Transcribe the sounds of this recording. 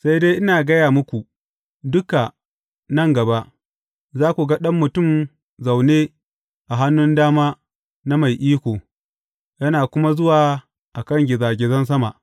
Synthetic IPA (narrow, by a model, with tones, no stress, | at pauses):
sa˦jde˦ʔɪ˦naː˨ɡɐ˦jaː˨mʊ˦kʷu˨ʔ | dʊ˦ka˨ | nɐ˦˨ŋɡɐ˨ba˦ʔ | zaː˦kʷu˨ɡɐ˦ɗɐ˦mːʊ˨tʊ˦˨m | za˨wneː˦ | ʔa˨ɦa˦nːʊ˦ndaː˦maː˦ | na˦ma˨jʔiː˦kʷoː˨ | jɐ˦naː˨kʷʊ˦ma˦zʊ˦waː˨ | ʔa˨kɐ˦˨ŋɡʲɪ˨zaː˨ɡʲɪ˨zɐ˦ns̬ɐ˦ma̰˨ʔ